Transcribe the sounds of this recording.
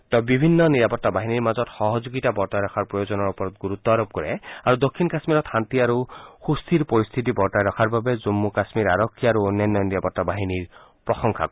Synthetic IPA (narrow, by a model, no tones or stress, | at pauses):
tɔbibʱinːɔniɹapɔtːabaɦiniɹmazɔtxɔɦɔzuɡitabɔɹtajɾɔkʰaɹpɹɔjozɔnɔɹupɔɹɔt̪̚ɡuɹut̪ːɔaɹob̚kɔɹɛaɹud̪okʰːinkasmiɾɔt̪xant̪iaɹuxust̪ʰiɹpɔɹist̪ʰitibɔɹtajɾɔkʰaɹbabɛzumːukasmiɹaɹɔkʰːiaɹuonjajnːɔjɔniɹapɔtːabaɦiniɹ | pɹɔxɔŋkʰa̰